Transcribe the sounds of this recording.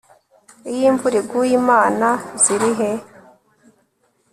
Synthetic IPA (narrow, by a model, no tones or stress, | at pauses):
ijiːɱvuɾiɡujimaːnaziɾiɦe